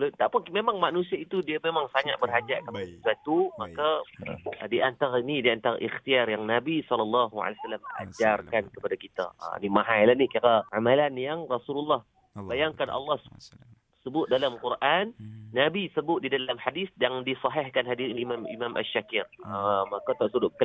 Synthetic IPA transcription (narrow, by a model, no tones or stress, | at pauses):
lt̪aʔpʊnmemãŋmaʔnũsiait̪udiamemãŋsaŋaʔ̪̚bərɦad͡ʒaʔkəpadasəswat̪umakka | diʔant̪aɾainidiant̪aɾa̰ʔixt̪iarjaŋnabisɔlɔlːɑɦua̰lajsalaməa̰d͡ʒarkankəpadakit̪a̰nimaɦajlahnikiɾaamalanjaŋrasululːɑh | bajaŋkanʔɑ̰lːɑh | səbʊt̪̚dalamkurʔanːabisəbʊt̪̚didalamħadisdaŋdisɑɦɛhkanɦadiinimamḭmamʔa̰ʃːakɪrəmakat̪aʔsudʊʔ̪̚kə